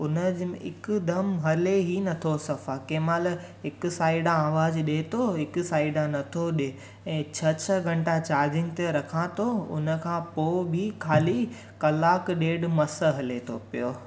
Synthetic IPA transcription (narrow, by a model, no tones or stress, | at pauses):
ʊnəd͡ʑɪkʊd̪ɐmɦɐleɦinɐt̪ʰosɐfakeːmaːl | ɦɪk̆saːɪɖaaːʋaːzɗeːt̪ʰoɦɪkʊ̆saːɪɖanɐt̪ʰoɗe | ɛ̃ːt͡ɕʰɐt͡ɕʰəɡʱɐ̃ɳʈat͡ɕaːɾd͡ʑɪ̃ŋɡt̪eɾɐkʰãːt̪ʰoʊ̰nəkʰãpoːbʱɪkʰaːli | kɐlaːkɗeːɖmɐsəɦɐlet̪ʰopijoː